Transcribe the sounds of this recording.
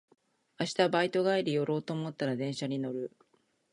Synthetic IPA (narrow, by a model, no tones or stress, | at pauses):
aɕi̥t̪abait̪o̞ɡaiɾʲijo̞ɾo̞ːt̪o̞ːmo̞t̪ːaɾad̪ẽ̞ɰ̃ɕaɲ̟ino̞ɾɯ̟